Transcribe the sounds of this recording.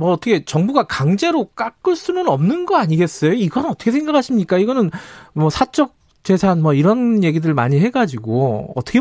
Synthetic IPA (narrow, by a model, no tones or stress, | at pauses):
mʌːt͈ʰʌkʰe̞t͡ɕʌŋbuɡakaŋd͡ʑe̞ɾok͈ak͈ɯɭs͈unɯnʌmnɯnɡʌaɲiɡe̞s͈ʌjoiɡʌnɯnʌt͈ʌkʰesʰŋɡakʰaɕʰimɲik͈aiɡʌnɯnmʌsʰat͡ɕ͈ʌk̚ | t͡ɕ͈e̞sʰanmʌiɾʌnje̞ɡidɯɭma̰ɲiɦe̞ɡad͡ʑiɡoʌt͈ʌkʰe